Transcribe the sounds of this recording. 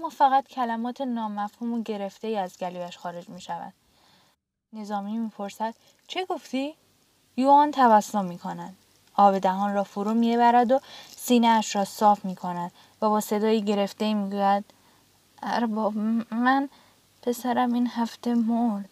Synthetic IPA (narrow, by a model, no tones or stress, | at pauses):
æmːɒːfæɣæt̪cʰælæmɒːt̪ʰe̞nɒːmæfhuːmoɟe̞ɾe̞ft̪e̞iːæzɡæliːbæʃxɒːɾe̞d͡ʒmiːʃævæ̰d̪̥ | ne̞zɒːmiːmiːpʰo̞ɾsæd̪̥ | t͡ʃʰe̞ɡo̞ft̪iː | juɒːnt̪ʰævæsːomiːkʰo̞næd̪̥ | ɒːbe̞d̪æɦɒːnrɒːfoɾuːmieβæɾæd̪o̞siːneæʃɾɒːsɒːfmiːkʰo̞næd̪̥ | væbɒːse̞d̪ɒːjiːɟe̞ɾe̞ft̪e̞imiːɡuːjæd̪̚ | æɾbɒːbmæn | pʰe̞sæɾæmiːnhæft̪e̞moɾd̪̥